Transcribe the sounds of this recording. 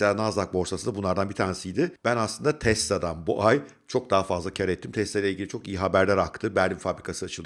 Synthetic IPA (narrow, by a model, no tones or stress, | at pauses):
anazlˠak̚bo̞ɾsasɯnabunlˠaɾd̪anbit̪ʰaːɾnisijd̪ɪb̥ænaslˠɯnd̪at̪ʰɛst̪ːad̪anbuʔaj | t͡ʃʰo̞k̚d̪aɦafazlˠacʰaɾɛt̪ːimt̪ʰɛst̪ajlʲɛilʲɟilʲit͡ʃʰo̞kijiɦabæɾlʲæɾakt̪ʰɯbæɾlʲimfabɾikʰasɯat͡ʃʰɯlˠ